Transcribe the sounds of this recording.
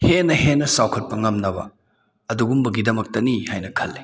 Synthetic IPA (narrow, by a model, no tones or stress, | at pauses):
henɐhenːɐsawkʰɐt̚pɐŋɐmnɐbɐ̰ | ɐduɡumbɐɡidɐmɐk̚tɐnihajnɐkʰɐlːe